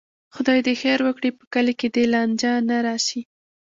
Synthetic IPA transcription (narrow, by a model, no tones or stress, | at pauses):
xʊd̪ɑjd̪əxeɾwəkɽipə̥kaleked̪elɑnd͡ʒanaɾɑʃi